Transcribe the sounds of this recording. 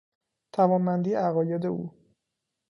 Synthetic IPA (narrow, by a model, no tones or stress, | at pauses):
t̪ʰævɒːnmænd̪iːæɣɒːjed̪eṵː